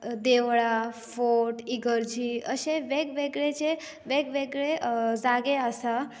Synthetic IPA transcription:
d̪eʋɭafoʈiɡəɾd͡ʒiə̰ʃeʋeɡʋeɡɾed͡ʒe | ʋeɡʋeɡɾezaɡeasa

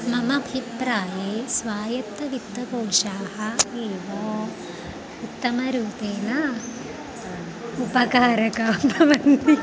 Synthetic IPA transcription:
mɐmɐbʱipɾaːjeːsʋaːjɐt̪ːɐʋit̪ːɐpoːkʂaːhɐeːʋoː | ut̪ːɐmɐɾuːt̪eːnɐ | upɐkaːɾɐkaːmpɐʋɐnd̪i

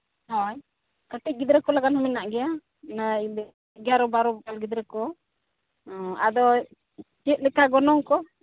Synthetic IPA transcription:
hɔ̃j | kəʈiɡid̪ɾɛkɔlaɡanhɔminaʔɡɛja | na | ɡɛaɾɔbaɾɔbkalɡid̪ɾɛkɔ | a̰d̪ɔ | t͡ʃiət̪̚lɛkaɡɔnɔŋkɔ

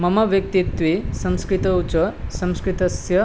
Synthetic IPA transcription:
mɐmɐʋjɐk̚t̪it̪ʋisɐ̃mskɾit̪ɐut͡ʃɐsɐ̃mskɾit̪ɐsjɐ

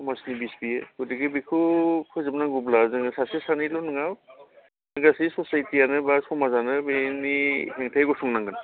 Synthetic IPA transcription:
kʰɔmasnibisbiekʰudiɡɯbikʰukʰɯzebnaɡublazɯŋɯsasesanilɔnɯŋaw | ɡasisɔsajtijanɯbasɔmazanɯbeniɦeŋtʰajɡɔsuŋnaŋɡɯn

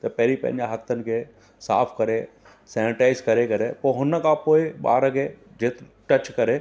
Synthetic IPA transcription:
t̪ɐpɛːɾipɛ̰njaɦɐt̪ːənke | sa̰ːpʰkɐɾe | sɛːnɪʈaːɪzkɐɾekɐɾepoɦʊnːəkaːpoːeba̰ːɾɐɡe | d͡ʒeːt̪ | ʈɐt͡ʃkɐɾe

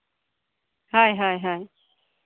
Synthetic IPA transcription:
hajɦajɦaj

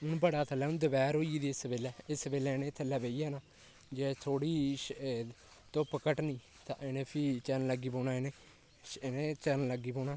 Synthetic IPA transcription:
ʊnbəɽaːt̪ʰəlɛːʊnd̪əbɛːɾɦoːiiːd̪iːɪsbeːlɛːɪsbeːlɛːnẽːt̪ʰːəlɛːbeːiːaːnaː | d͡ʒeːt̪ʰoːɽiː | t̪õːpəkəʈnĩː | t̪ã̰ːʔeneːpʰiːt͡ʃənləɡːiːpoːnaːeneː | neːt͡ʃənləɡiːboːnaː

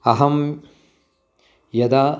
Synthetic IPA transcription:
ɐɦɐm | jɐd̪aː

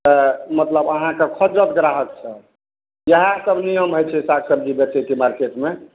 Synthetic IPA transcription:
t̪əmət̪ləbəɦãkekʰɔd͡ʒɾət̪ɡɾaɦək̚sʰə | jəɦãsəbʱniəmɦəjt͡ʃʰɛsakʰsəbʱd͡ʒibək̚t̪ɛkemaɾkeʈme

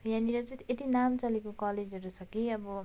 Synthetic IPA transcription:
jãniɾʌd͡zit̪et̪inamt͡sʌlikokʌled͡zɦʌɾut͡sʰʌkiʌbʌ

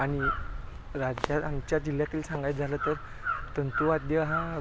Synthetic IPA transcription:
aɽ̃i | ɾad͡ʑjaamt͡ɕjad͡ʑil̤jat̪ʰiːlsãŋɡajd͡zʱalət̪əɾ | t̪ənt̪uad̪jəɦã

